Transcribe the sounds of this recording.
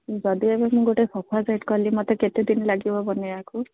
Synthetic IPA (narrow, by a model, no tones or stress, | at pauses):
d͡ʒɔd̪iebemũɡoʈejpʰɔpʰazajʈkɔlimɔt̪eket̪ed̪inlaɡibɔbɔneaku